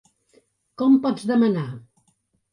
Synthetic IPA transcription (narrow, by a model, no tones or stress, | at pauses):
kɔmpɔd͡zðəməna